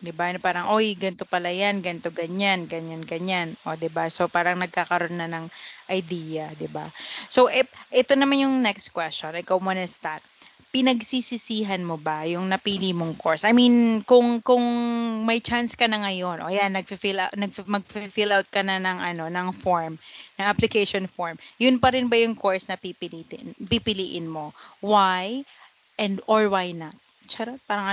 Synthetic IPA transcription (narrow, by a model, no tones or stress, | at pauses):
d̪ɪbanpaːɾɐŋʔo̞jɡɐnt̪opɐlajanɡɐnt̪oɡɐɲanɡɐɲanɡɐɲanʔo̞d̪ɪbaso̞paːɾɐŋnɐɡ̚kakɐɾo̞nːɐnɐŋʔɐjd̪iːjɐd̪ɪbaso̞wʔɛʔɛt̪o̞nɐmanjʊŋnɛkst̪̚kwɛst͡ʃonɪkawmonɐst̪at̪̚ | pɪnɐɡsisisiːɦɐnmo̞bɐjʊŋnɐpiːlimoŋko̞ɹsʔɐjminkʊŋkʊŋmɐjt͡ʃanskɐnɐŋɐjo̞nʔoʔɐjanːɐɡ̚fifilanɐɡ̚fmɐɡ̚fifilawt̪̚kɐnɐnɐŋʔɐno̞nɐŋfoɹmnɐŋʔaplɪkejʃonfoɹmjʊnpɐɾɪnbɐjʊŋko̞ɹsnɐpipɪliːt̪ɪ̰npipɪliːʔɪnmo̞waj | ʔɛnd̪oɹwajnat̪̚ | t͡ʃɐɾapaːɾɐŋʔɐ